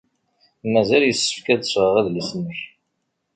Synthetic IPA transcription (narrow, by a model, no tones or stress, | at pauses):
mæzæljəsːə̥fkæd̪əsʁəʁæðlisənəç